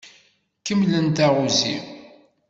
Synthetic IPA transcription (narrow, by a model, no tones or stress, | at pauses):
kəmlənt̪æʁuzḭ